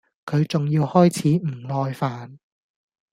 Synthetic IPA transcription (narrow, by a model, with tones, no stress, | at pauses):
kʰɵ˨˧ɥt͡sʊ˨ŋjiː˧whɔː˥jt͡sʰiː˨˥m̩˨˩lɔː˧jfaː˨n